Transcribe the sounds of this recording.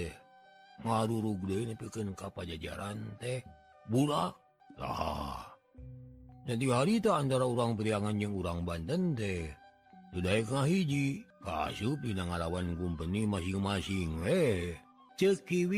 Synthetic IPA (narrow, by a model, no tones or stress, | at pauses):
ɛh | ŋaɾuɾuɡ̚dəinapikənkapad͡ʒad͡ʒa̰ɾant̪ɛh | bula | la̰ha̰ | d͡ʒant̪̬iɡɦaɾit̪aːnt̪aɾauɾaŋpəɾiaŋand͡ʒəŋuɾaŋbant̪ənt̪ɛ | tudaikŋaɦid͡ʒika̰sup̚dinaŋalawankumpənimasiŋmasiŋwe | t͡ʃəkiwi